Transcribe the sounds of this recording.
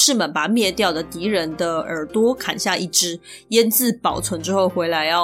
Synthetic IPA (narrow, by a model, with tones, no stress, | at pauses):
ʂɻ̩˥˩mə˨˩npa˨˩mjɛ˥˧t̪jɑ˥˩ʊd̪ə˩t̪i˧˥ɻə˧˥nd̪ə˧ə˞˨˩t̪wɔ˥kʰa̰˨˩nɕja˥˧i˥˩ʈ͡ʂɻ̩˧˥ | jɛ˥nt͡sɹ̩˥˩pɑ˨˩ʊt͡sʰwə˧˥nʈ͡ʂɻ̩˥xo˥˩ʊxwe˧˥ɪla˧˥ɪjɑ˥˩